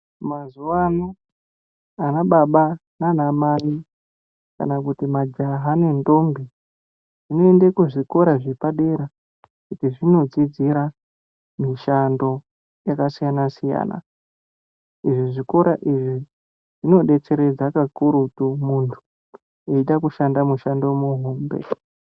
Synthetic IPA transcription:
mazuwano | anaɓaɓananamari | ka̰nakutimad͡ʒaɦane̞ndo̞mbi | ʐ̥ino̞endekuʐiko̞ɾaʐipaɗe̞ɾa | kutiʐino̞d͡zid͡ziɾa | miʃando̞ | jakasijanasija̰ːna̰ | iʐiʐiko̞ɾaʔiʐi | ʐ̥ino̞ɗe̞t͡se̞ɾe̞d͡zakakuɾutumuntʰu̥ | eiɗakuʃandamuʃando̞muɦoːmbḛ

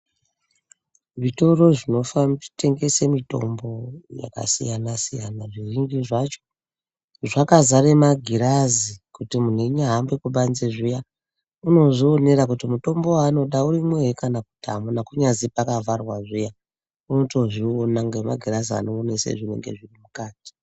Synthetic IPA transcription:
ʐito̞ro̞ʐino̞famte̞ŋɡe̞se̞mito̞̰mbo̞ja̰ka̰sḭjanasijanaʐiriŋɡiʐat͡ʃo̥ | ʐakazaɾe̞maɡʱiɾazikutimun̤eɲaɦambekuɓanzeʐija | uno̞zoːne̞ɾakutimuto̞mbowaːno̞ɗauɾimweekanakutʰa̰munakuɲazipakavarwaʐija | unoto̞ʐionaŋɡema̰ɡʱirazia̰noonesḛʐine̞̰ŋɡe̞̰ʐirimukaːti̥

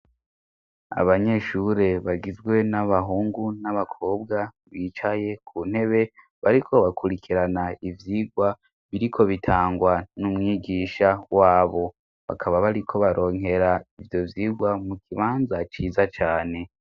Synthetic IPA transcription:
a̰βaɲe̞ʃuɾe̞βaɡizɡwe̞naβaɦuːŋɡunaβakʰo̞ːbɡa | βit͡ʃaje̞kʰuːn̥he̞βe̞ | βaɾikʰo̞βakʰuɾikʰiɾanaivjiɡwa | βiɾikʰo̞βitʰaːŋɡwanumŋiɡiːʃawaːβo̞ | βa̰kʰaβaβaɾikʰo̞βaɾʔo̞ːŋ̥ɦe̞ɾaivjo̞vjiːɡwamukʰiβaːnzat͡ʃiːzat͡ʃaːne̞

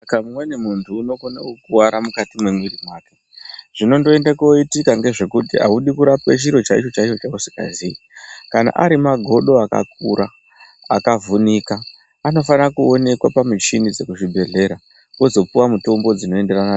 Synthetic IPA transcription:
kamumwenemuntʰuːno̞kona̰uk̚uwaɾamukatimwemwirimwaːka | ʐ̥ino̞ndo̞e̞ndakoitikaŋɡe̞ʐe̞kutia̰uɗikuɾapet͡ʃiɾo̞t͡ʃait͡ʃo̞t͡ʃait͡ʃo̞t͡ʃausi̥ka̰ziikana̰ʔaɾimaɡʱo̞ɗo̞aka̰k̚uɾʔa | akavunikaː | no̞fanakuo̞ne̞kwapamut͡ʃinid͡ze̞kuʐibʱe̞ɮe̞ɾa | wo̞zo̞puwamuto̞mbo̞d͡zino̞e̞nde̞rana

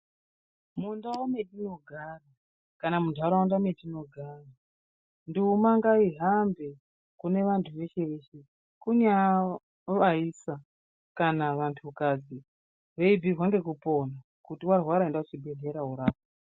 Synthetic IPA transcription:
mundawome̞tino̞ɡʱaːra | kanamundʱaɾawundametino̞ɡʱaːra | ndiumaŋɡaiɦambe̞ | kune̞ʋantʰuʋe̞ʃe̞ʋe̞ːʃe̞ | kuɲa | ʋaisa | kanaʋantʰukad͡zi | ɦeibʱirwaŋɡe̞k̬upo̞na | kutiwarwaɾaendaut͡ʃibʱe̞ɮe̞ɾauɾaːpo

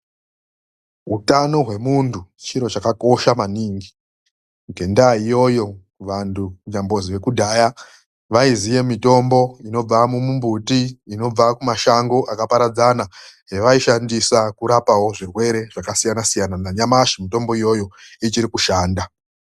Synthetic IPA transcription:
ɦutano̞ɦwe̞muntʰut͡ʃiɾo̞t͡ʃakako̞ʃamaniːŋɡi | ɡʱe̞ndaijo̞jo̞ | ʋantʰukuɲambo̞ziʋe̞kudʱaːja | ʋaizije̞mito̞mbo̞ino̞b͡vamumumbutiːno̞b͡vakumaʃaŋɡo̞ʔakapaɾad͡zanaɦe̞ʋaiʃandisakuɾapawo̞ʐirwe̞ɾe̞ʐ̥akasijanasijananaɲamaʃimito̞mbo̞ijo̞jo̞it͡ʃiɾikuʃaːnda

